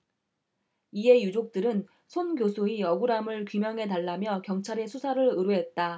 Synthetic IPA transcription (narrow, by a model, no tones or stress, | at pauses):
ie̞jud͡ʑok̚t͈ɯɾɯn | sʰonɡjosʰoiʌɡuɾamɯɭkimjʌŋɦe̞taɭːamjʌkjʌŋt͡ɕʰaɾe̞sʰusʰaɾɯɾɯɾuɦe̞t̚t͈a